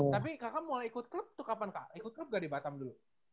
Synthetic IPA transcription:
t̪apikakamolaikʊt̪̚kləp̚t̪ʊkapankaʔikʊt̪̚kləp̚ɡaʔdibat̪amdulu

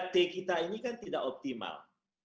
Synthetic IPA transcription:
t̪ekit̪ainikant̪idaʔɔp̚t̪ima̰l

